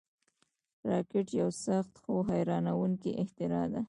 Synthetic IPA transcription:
ɾɑkɪʈjawsaxt̪xoɦajɾɑnawuŋkiʔɪht̪ɪɾɑd̪a

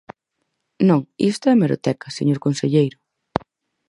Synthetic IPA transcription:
nõŋist̪ʊɛmeɾot̪ɛkɐsḛɲoɾkonseʎejɾʊ

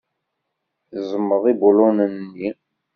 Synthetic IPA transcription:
zˤəmːəðibulunənːi

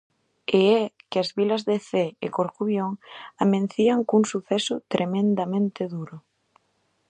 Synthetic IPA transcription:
eɛkɪazβilɐzðeθeekoɾkuβjoŋamẽnθiaŋkuŋsuθɛsʊt̪ɾʔemẽnd̪amẽnt̪eðuɾʊ

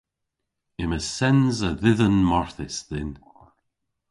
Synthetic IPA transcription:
ɪməsɛnzəðɪðənmɔɹθɪsðɪn

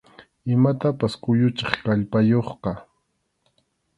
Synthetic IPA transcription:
ɪmat̪apaskʊjʊt͡ʃɪχkaʎpajoχqɑ

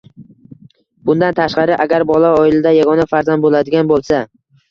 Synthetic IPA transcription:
bʊnd̪ant̪ʰaʃqɑɾɪʔaɡʲaɾbɒlˠaɒɪlɪd̪ajaɡɒnafaɾzand̪bolad̪ɪɡʲanbolˠsa

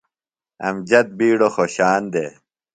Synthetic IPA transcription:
ɐ̰md͡ʑɐt̪̚biːɽoxoːɕaːnd̪e

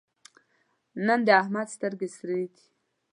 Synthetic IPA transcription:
nənd̪əahmad̪st̪əɾɡesɾed̪i̥

